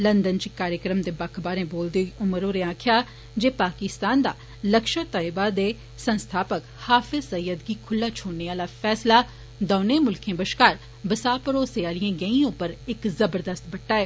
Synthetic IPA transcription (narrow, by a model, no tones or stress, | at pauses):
lənd̪ənt͡ʃikaːɾjəkɾəmd̪eːbəkʰbaːɾẽːboːld̪eoiʔʊməɾõːɾeːãːkʰɪjaː | d͡ʒeːpaːkɪst̪aːnd̪a̰ː | ləkʃət̪aːɪbaːd̪eː | sə̃nst̪ʰaːpək | haːfʰɪzsəjəd̪ɡiːkʰʊlːaːt͡ʃʰoːɽneːaːlaːfʰɛːslaː | d̪ɔːnẽːmʊlkʰẽːbəʃkaːɾ | bəsaːpəɾoːseaːliãːɡəĩːõːpəɾɪkzəbəɾd̪əst̪bəʈːaːɛː